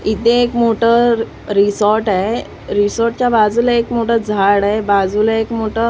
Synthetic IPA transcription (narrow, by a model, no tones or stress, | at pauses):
it̪ẽːkmoʈə | ɾisɔɾʈae | ɾisɔɾʈ̚t͡ɕjabad͡zuləekmoʈəd͡zʱaɽaebad͡zuləekmoʈə